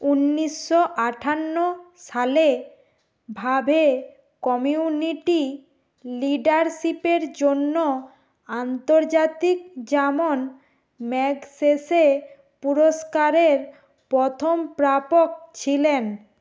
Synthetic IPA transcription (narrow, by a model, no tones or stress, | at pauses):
unːiʃːoʔaʈʰanːoʃale | bʱabʱe | kɔmiuniʈi | liɖaɾʃipeɾd͡ʑonːo | ant̪oɾd͡ʑat̪ikd͡ʑɛmon | mɛɡsese | puɾoskaɾeɾ | pɾɔt̪ʰompɾapok̚t͡ɕʰilen